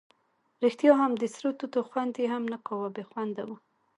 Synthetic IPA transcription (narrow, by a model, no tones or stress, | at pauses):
ɾixt̪jɑɦamd̪ɪsɾut̪ut̪oxwand̪jeɦamnaqawabexwand̪awu